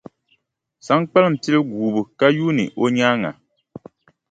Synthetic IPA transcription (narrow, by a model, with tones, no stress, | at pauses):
sa˨˦ŋk͡pa˦lɨ˦˨m̩˨pi˦lɨ˦ɡuː˨bu˨ka˦ju˦nɨ̰˨ʔo˦ɲaː˦ŋa̰˨